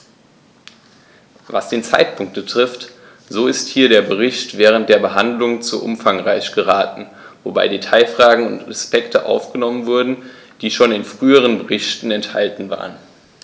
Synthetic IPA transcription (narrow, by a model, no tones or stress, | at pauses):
va̰sd̥eːnt͡sa̰ɪtpʰʊŋk̚t̚b̥ətʁ̥ɪft | z̥oːɪsthiːɐɾeːɐbəʁɪçtv̥ɛːʁ̞ənt̚d̥eːɐbəɦandlʊŋt͡suːʔʊ̰mfaŋʁaɪçɡ̥əʁ̞aːtn̩ | voba̰ɪdetʰaɪfʁ̥aːɡŋ̩ʊ̰ntaspɛktʰəʔa̰ʊfɡ̥ənɔmənvʊɐdn̩ | d̥iːʃoːnɪnfʁ̥yːəʁ̞ənbəʁɪçtn̩ɛntha̰ltn̩va̰ːʁ̞ən